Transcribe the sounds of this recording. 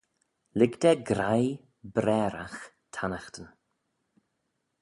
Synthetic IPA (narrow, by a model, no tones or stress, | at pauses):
lɪɡd̪ɛɡɾaj | bɾɛːɾa̰x | t̪ʰanaxt̪ən